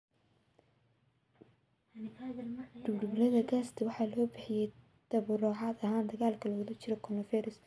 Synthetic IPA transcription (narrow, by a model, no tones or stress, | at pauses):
ɖʊbɖʊblɐðɐɡaːst̪ʰɪwɑħɑːlɔːbɪħɪjɛj | d̪̥ɐβʊɾɔːʕɑd̪ɐɦaːnd̪ɐɣaːlkʰɐlɐɣʊlɐt͡ʃʰɪɾɔkʰɔnɔfɛɾɪs